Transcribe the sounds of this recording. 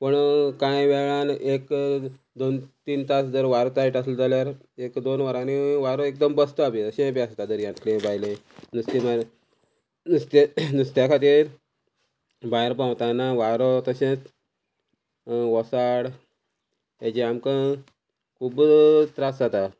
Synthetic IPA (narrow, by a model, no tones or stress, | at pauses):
pəɳkãeʋɛɭanek | d̪ont̪iːnt̪asd͡z̪əɾʋaɾot̪aɾiʈaslɔd͡zaljaɾ | ekd̪onʋaɾãniʋaɾɔek̚d̪əmbəst̪ɔabit̪əɕẽpast̪ad͡z̪əɾjãt̪ʰlẽbajlẽ | nust̪ima | nust̪enust̪jakʰat̪iːɾ | baeɾpãwt̪anaʋaɾɔt̪əɕẽt͡s | ʋɔsaɽ | ed͡ʑeamkã | kʰuːbt̪ɾasat̪a